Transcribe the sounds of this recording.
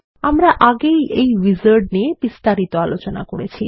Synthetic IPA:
amɾaʔaɡejʔejʋid͡ʑoɾɖ̚niebist̪aɾit̪oalot͡ɕona̰koɾet͡ɕʰi

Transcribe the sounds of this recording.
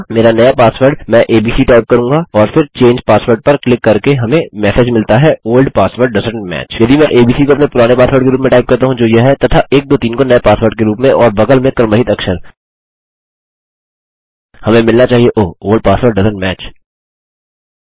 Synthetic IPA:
meːɾanɐjapaːsʋəɾɖmɛ̃ʔeːbiːsiʈaːɪp̚kɐɾũːŋɡaɔːɾfɪɾt͡ʃẽːɲd͡ʒpaːsʋəɾɖ̚pɐɾklɪkːɐɾkeɦɐmẽmɛːseːd͡ʒmɪlt̪aɦɛoːlɖpaːsʋəɾɖɖɐzə̃ɳmɛ̰ːt͡ʃjɐd̪imɛ̃ʔeːbiːsikoɐpnepʊɾaːnepaːsʋəɾɖkeɾuːp̬mẽʈaːɪp̚kɐɾt̪aɦũd͡ʒoːjeɦɛt̪ɐt̪ʰaʔeːk̚d̪oːt̪iːnkonɐjepaːsʋəɾɖ̚keɾuːpmẽʔɔːɾbɐɡəlmẽkɐɾməɦɪt̪ɐkʃəɾ | hɐmẽmɪlnat͡ʃaːɦieʔoːoːlɖ̚paːsʋəɾɖɐzə̃nmɛːt͡ʃ

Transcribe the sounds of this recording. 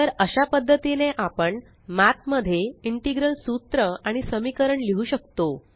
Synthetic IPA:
t̪əɾəɕapəd̪ʱːət̪ineʔapəɳ | mat̪məd̪ʱːjeiɳʈiɡɾəlsut̪ɾəaɽ̃isəmikəɾəɳliɦuːɕəkt̪o

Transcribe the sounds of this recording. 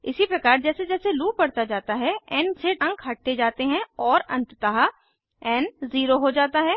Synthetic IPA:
ɪsipɾɐkaːɾd͡ʒɛːsed͡ʒɛːseluːpɐɽt̪ad͡ʒaːt̪aɦɛɛːnseʈɐ̃ŋkɦɐʈ̚t̪ed͡ʒaːt̪eɦɛ̃ɔːɾɐ̰̃nt̪t̪əɦa | ɛːnziːɾoɦod͡ʒaːt̪aɦɛː

